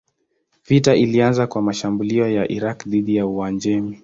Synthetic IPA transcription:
vitaʔilianzakwamaʃambuliɔjaʔiɾakðiðijauand͡ʒɛmi

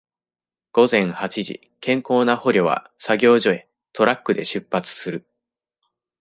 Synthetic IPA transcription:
ɡ̥o̞zẽ̞ɰ̃hat͡ɕiʑḭ | kẽ̞ŋko̞ːnaho̞ɾʲo̞βa̰ | saɡʲo̞ːʑo̞e̞ | t̪ʰo̞ɾakːɯ̟d̪e̞ɕɨpːat͡sɨ̥sɨɾɯ̟

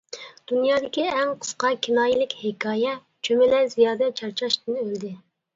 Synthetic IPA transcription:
d̪̥unjɑːd̪ɪkʲiɛŋqʰə̥sqɑkʲʰinɑːjilɪkʲhɪkʰɑːjɛ | t͡ʃʰømɪlæzijɑːd̪ɛt͡ʃʰɑɾt͡ʃʰɑʃt̪ɪnøld̪ɪ

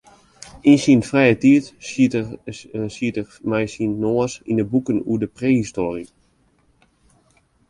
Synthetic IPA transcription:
insiənfrɛjətiət | siətə | mɛjsinːoəsḭndəbukənṵədəpreːhistoːri

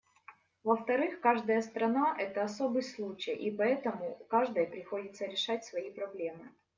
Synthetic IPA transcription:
vəft̪ɐɾɨxkaʐd̪əjəst̪ɾɐnaʔɛt̪əɐsobɨjslˠut͡ɕɪjʔipɐɛt̪əmʊkaʐd̪əjəpɾʲɪxo̞dʲɪt̪səɾʲɪʂatʲsvɐipɾɐblʲe̞mɨ

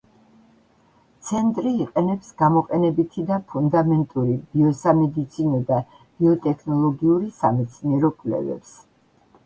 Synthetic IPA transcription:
t̪sʰɛnt̪ʼɾiːqʼɛnɛpsɡ̥amɔqʼɛnɛbit̪ʰid̪apʰund̪amɛnt̪ʼuɾibiɔsamɛd̪it̪sʰinɔd̪a | b̥iɔt̪ʼɛkʰnɔlˠɔɡiuɾisamɛt̪sʰniɛɾɔkʼlɛ̰vɛ̰ps

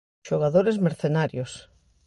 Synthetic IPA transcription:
ʃoɣ̞aðoɾezmeɾθenaɾjos

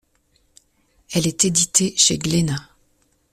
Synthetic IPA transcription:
ɛlɛt̪ed̪it̪ʰeʃḛɡlena

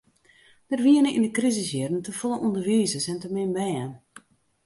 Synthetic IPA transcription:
d̥ərʋiənəʔḭndəkrizəsjɪdən̩təfolˠəundərʋiːzəsɛntəmɪnbɛːən

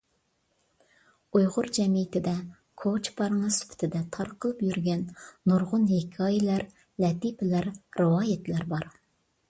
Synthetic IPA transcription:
ujʁʊɾd͡ʒɛmijɪt̪ɪd̪ɛ | kʰot͡ʃpʰɑɾŋɨsy̥pʰɪ̥t̪ʰɪd̪ɛt̪ʰɑɾqʰəlˠɨpjyɾɡʲɛnːuɾʁʊnhekʲʰɑːjilæɾ | lɛt̪ipʰɪlæɾɾɨwɑːjɛt̪læɾbɑɾ

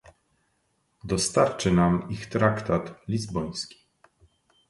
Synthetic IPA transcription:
d̪ɔst̪aɾt͡ʂɘnamixt̪ɾakt̪at̪lʲizbɔj̃skʲi̥

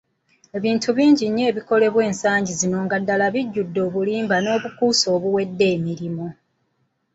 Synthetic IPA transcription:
e̞βiːntʰuβiːɲɟiɲːe̞ːβiko̞le̞βwe̞ːnsaːɲɟizino̞ːŋɡadːalaβiɟːudːo̞ːβuliːmbano̞ːβukuːso̞ːβuwe̞dːe̞ːmiɾimo

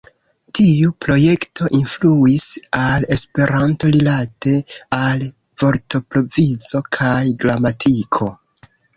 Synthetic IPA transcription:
tiupɾo̞je̞ktʰo̞ʔinfluisale̞spe̞ɾanto̞lilate̞al | v̥o̞ɾto̞pɾo̞vizo̞kʰajɡɾamatʰikʰo̞

